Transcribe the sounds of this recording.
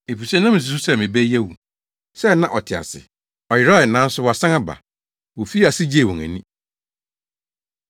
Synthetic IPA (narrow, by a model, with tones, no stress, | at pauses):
e˨pʰu˨sɛ˦nã˦mɪ̃˨s̬u˨su˦sɛ˦˨mɪ̃˨bɛ˦jɛ˦wu˨ | sɛ˦nã˦ʔɔ˨tʰɪ˨a̰˨sɪ̰˨ | ɔ˨jɪ˨ɾa˦˨ɪ˨nã˦n̩˦sʊ˦wɔ˨a˨sã˦ŋa˦ba̰˨ | wo˨fi˦a˨sɪ˦d͡ʑi˦e˨wɔ̃˨ŋæ̰̃˨nĩ˦